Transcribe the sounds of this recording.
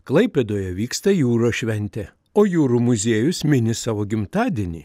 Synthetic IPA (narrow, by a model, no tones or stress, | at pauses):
klˠɐɪpʲɛd̪oːjɛʋʲiːkst̪ɐjuːɾoːʃʲʋʲɛnʲt̪ʲɛ | oːjuːɾumʊzʲeːjʊsmʲɪnʲɪsɑːʋoːɡʲɪmt̪ɑːd̪ʲinʲḭː